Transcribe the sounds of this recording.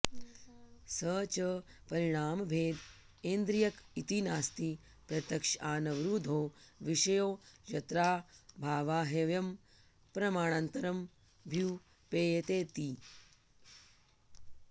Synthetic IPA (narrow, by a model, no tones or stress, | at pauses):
səːt͡ʃə | pɐɾiɳ̃aːmbʱeːd̪ | eːnd̪ɾijɐkit̪inaːst̪i | pɾɐt̪jɐkʂaːnɐʋɾuːd̪ʱoːʋiʃɐjoːjɐt̪ɾaːbʱaːʋaːɦeʋjɐm | pɾɐmaːɳ̃ant̪ɐɾɐm | bʱu | peːjt̪eːt̪i